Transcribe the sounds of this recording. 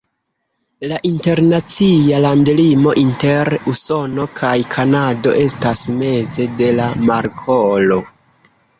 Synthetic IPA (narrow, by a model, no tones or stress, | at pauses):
laʔinte̞ɾnat͡sialandlimo̞ʔinte̞ɾuso̞no̞kʰajkʰanado̞̰ʔe̞stasme̞ze̞de̞lamaɾkʰolo̞